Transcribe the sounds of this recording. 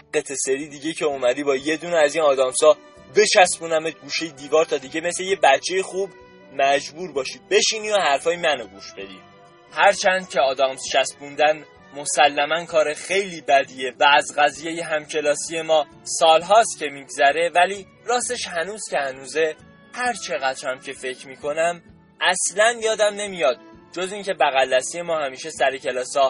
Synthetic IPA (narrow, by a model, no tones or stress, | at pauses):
et̪ʰeseɾiːd̪iɟe̞cʰeomæd̪iːbɒːje̞d̪uːneæziːnɒːd̪ɒːmsɒː | be̞t͡ʃʰæsbunæmet̪̚ɡuːʃe̞jed̪iːvɒːɾt̪ʰɒːd̪iɟeme̞sle̞je̞bætt͡ʃʰːe̞jexuːb | mæd͡ʒbuːɾbɒːʃibe̞ʃiːniːohæɾfɒːjemænoɡuːʃb̥e̞d̪ḭː | hæɾt͡ʃʰænd̪̥̚cʰeɒːd̪ɒːmst͡ʃʰæsbund̪æn | mo̞sælːæmænkʰɒːɾe̞xe̞jliːbæd̪ije̞væːzɣæziːje̞jeɦæmcʰe̞lɒːsije̞mɒː | sɒːlɦɒːst̪cʲʰe̞miːɡzæɾe̞væliː | ɾɒːse̞ʃhænuːz̥ce̞hænuːze̞ | hæɾt͡ʃʰe̞ɣæt̪ʃæmcʰe̞fe̞cʰɾmiːkʰo̞næm | ʔæslænjɒːd̪æmne̞mijɒːd̪̥̚d͡ʒo̞ziːŋcʰe̞bæɣælːæsije̞mɒːhæmiːʃe̞sæɾecʰe̞lɒːsɒː